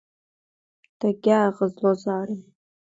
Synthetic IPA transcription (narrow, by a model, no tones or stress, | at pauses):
d̥aɡʲaʁəzlozaːɾi